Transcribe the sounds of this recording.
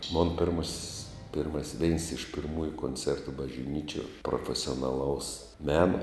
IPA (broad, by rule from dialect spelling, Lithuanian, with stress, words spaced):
moːn pʲɪrˈmoːsʲsʲ pʲɪrˈmɐsʲsʲ ʋʲɛɪns ɪʃ pʲɪrˈmuːjʊ koːnʲˈt͡sʲɛrtʊ bɐʒʲˈnʲiːt͡ʃʲuɔ proːfʲɛsʲoːnɐˈlˠɐʊs ˈmʲæːnoː